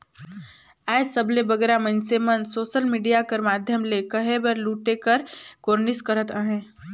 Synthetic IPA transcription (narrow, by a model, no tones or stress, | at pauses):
ɛːsəblebəɡeːɾamə̃nsemənsoːʃəlmiːɖijakəɾmaːd̪ʱjəmlekəɦebəɾluːʈekəɾkoːɾnɪskəɾət̪əɦẽː